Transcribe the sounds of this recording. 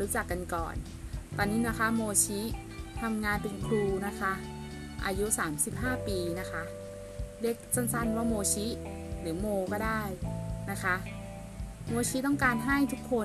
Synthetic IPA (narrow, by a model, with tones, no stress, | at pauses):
uː˦˥t͡ɕa˨˩kːa˧nkɔ̰ː˨˩n | t̪ɔː˧nːiː˦˥na˦˥kʰa˦˥moː˧t͡ɕʰi˦˥ | t̪ʰa˧mŋaː˧npe˧nkʰuː˧na˦˥kʰa˦˥ʔ | ʔa̰ː˧ju˦˥saː˩˦msi˨˩p̚ɦaː˥˩piː˧na˦˥kʰa˦˥ | de˦˥˩k̚t͡ɕo˥˩nsa˥˩nwaː˥˩moː˧t͡ɕʰi˦˥ | lɯː˩˦moː˧kɔː˥˩daː˥˩jna˦˥kʰa˦˥ʔ | moː˧t͡ɕʰi˦˥t̪̬ɔ˥˩ŋkaː˧nɦa˥˩jt̪ʰu˦˥kʰːo˧